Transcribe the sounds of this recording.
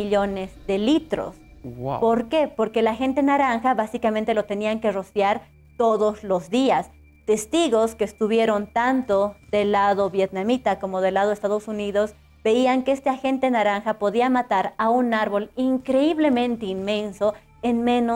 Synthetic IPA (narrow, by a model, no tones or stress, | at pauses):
iʎo̞nezðe̞lit̪ɾo̰spo̞ɾke̞po̞ɾke̞laxe̞nt̪e̞naɾaŋxaβasikamẽnt̪e̞lo̞t̪e̞niaŋke̞ro̞sjaɾ | t̪o̞ðo̞zlo̞zðias | t̪e̞st̪iɣo̞skeːst̪uβje̞ɾo̞nt̪ant̪oðe̞laðo̞βjet̪̚namit̪ako̞moðe̞lað̞oest̪aðo̞suniðo̞z | b̥e̞iaŋkee̞st̪eaxe̞nt̪e̞naɾaŋxapo̞ðiamat̪aɾaunaɾβo̞liŋkɾe̞iβle̞mẽ̞nt̪e̞inmẽ̞nso̞ | enmẽ̞no